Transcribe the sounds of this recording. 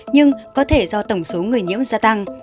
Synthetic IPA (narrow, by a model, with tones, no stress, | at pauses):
ɲɨ˧ŋkɔ˨˦t̪ʰe˧˩zɔ˧t̪ə˧˩wŋ͡mso˨˦ŋɨ˨˩əjɲḭ˧˥əmzaː˧t̪a˧ŋ